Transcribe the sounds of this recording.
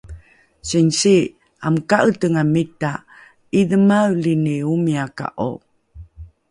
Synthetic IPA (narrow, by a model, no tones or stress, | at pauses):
sinsi | amkaʔətəŋamita | idəmawliniumiaka̰ʔo̰